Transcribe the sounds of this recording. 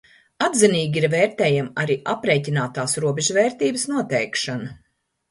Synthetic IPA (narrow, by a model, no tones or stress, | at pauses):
ad̪ziniːɡʲiɾvɛːɾt̪ɛːjamaɾiːʔapɾeːcinaːt̪aːsɾuɔbeʒuvɛːɾt̪iːbəsnuɔt̪ɛjkʃanɐ